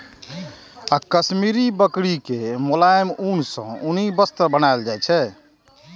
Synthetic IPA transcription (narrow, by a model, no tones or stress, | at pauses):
akəsmiɾibəkɽikemolaemunsə̰̃unibəst̪əbənaeld͡ʒajt͡ʃʰɛ